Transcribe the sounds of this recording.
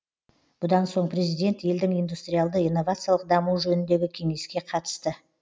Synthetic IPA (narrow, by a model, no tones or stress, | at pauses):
b̥ʊd̪ɑnso̞ɴpʰrʲe̞zijd̪e̞nt̪je̞ld̪ɪŋijnd̪ust̪ɾʲijalˠd̪əijnːo̞vat̪sɨjalˠəq̚d̪ɑmuwʒɵnɪnd̪e̞ɡʲɪkʲʰe̞ŋe̞skʲe̞qʰɑt̪ə̥st̪ə